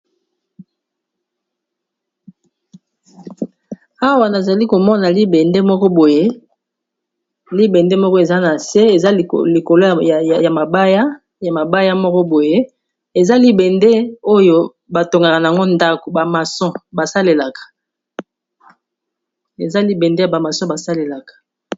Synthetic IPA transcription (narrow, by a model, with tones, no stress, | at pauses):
a˦wa˨na˨za˨li˦ko˨mɔ˦na˨li˦bɛ˨nde˦mɔ˦kɔ˦bo˨je˦ | li˦be˨nde˦mɔ˦kɔ˦e˨za˦na˨se˦e˨za˦˨li˨ko˨lo˦˨ja˨ma˨ba˦ja˦ | ja˨ma˨ba˦ja˦mɔ˦kɔ˦bo˨je˦ | e˨za˦li˦bɛ˨nde˦o˦jo˦ | ba˨to˨ŋɡa˨ka˨na˨a˨ŋɡo˦nda˦ko˨ba˨ma˨sɔ̃˦ba˨sa˦le˨la˨kḁ˨ | e˨za˦li˦bɛ˨nde˦ja˨ba˨ma˨sɔ˦ba˨sa˦le˨la˨kḁ˨